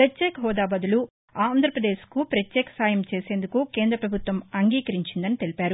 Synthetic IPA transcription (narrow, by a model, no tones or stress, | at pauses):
pɾɐtjeːkɐɦɔːd̪aːbɐd̪ulu | aːnd̪ʱɾɐpɾɐd̪eːʃkupɾɐt̪jɛːkɐ̥saːjɐmt͡ʃeːse̞ːnd̪ukuke̞ːnd̪ɾɐpɾɐbʱut̪ʋɐmɐŋɡiːkɐɾiɲt͡ʃind̪ɐnit̪e̞lipaːɾu